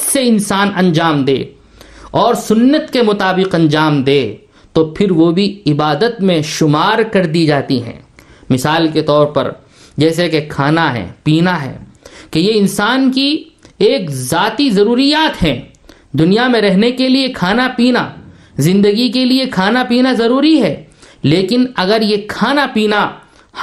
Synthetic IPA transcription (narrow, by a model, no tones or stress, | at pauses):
seɪnsaːnɐ̃nd͡ʒaːmd̪ḛː | ɔːɾsʊnːət̪kemʊt̪aːbɪqɐ̃nd͡ʒaːmd̪eː | t̪opʰɪɾʋobʱiɪbaːd̪ət̪mẽʃʊmaːɾkɐɾd̪id͡ʒaːt̪iɦɛ̰̃ːmɪsaːlket̪ɔːɾpɐ̰ɾ | d͡ʒɛːs̬ekekʰaːnaɦɛ̰̃piːnaɦɛ̰ːkejeɪ̃nsaːnki | eːkzaːt̪izɐɾuːɾijaːt̪ɦɛ̃ː | d̪ʊnijamẽɾɛɦnekeliekʰaːnapiːna | zɪ̃nd̪əɡikeliekʰaːnapiːnazɐɾuːɾiɦɛːleːkɪnɐɡəɾjekʰaːnapiːna